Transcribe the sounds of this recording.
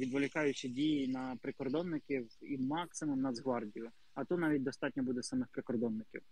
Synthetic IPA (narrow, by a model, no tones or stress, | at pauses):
ʋʲid̪ʋɔlʲɪkɑjʊt͡ʃidʲijinɐpɾɪkɔrd̪ɔnːɪkʲiwimɑksɪmʊmnɐzɦʋɑrdʲijʊ | ɐt̪ut̪nɑʋʲit̚ʲd̪ɔst̪ɑtʲnʲɔbud̪ɛsɑmɪxpɾɪkɔrd̪ɔnːɪkʲḭw